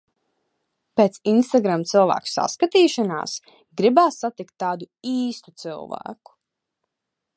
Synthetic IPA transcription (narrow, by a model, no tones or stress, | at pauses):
peːt̪sinst̪aɡɾamt̪sɨlˠvæ̰ːku̥sa̰skat̪iːʃana̰ːs | ɡɾibaːsːat̪ikt̪ːaːd̪u | iːst̪u̥t̪sɨ̰lˠvæ̰ːku̥